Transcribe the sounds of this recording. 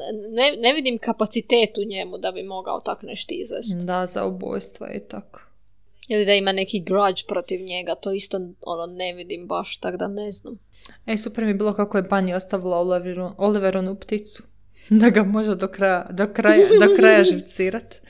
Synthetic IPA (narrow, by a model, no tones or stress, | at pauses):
neneʋid̪imkapat̪sit̪eːt̪uɲemud̪abimo̞ɡa̰o̰t̪akneʃt̪izʋḛst̪d̪aza̰ubo̰ːjst̪ʋo̰jḛt̪akʰo̥ | jilid̪aimanekiɡɾad͡ʒpɾo̞t̪iʋɲe̞ɡat̪o̞ist̪oo̰noneʋid̪imbaʃt̪akd̪aneznam | esupeɾmijebiːlˠo̞kakojebaniost̪aʋilˠaolʋʔoliʋeɾonupt̪it̪su̥ | d̪aɡamo̞ʒed̪okɾajad̪okɾajad̪okɾajaʒiwt̪siːɾat̪